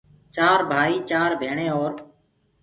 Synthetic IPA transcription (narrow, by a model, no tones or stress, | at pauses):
t͡ʃaːɾbʱaːiːt͡ʃaːɾbʱeːɳẽːoːɾ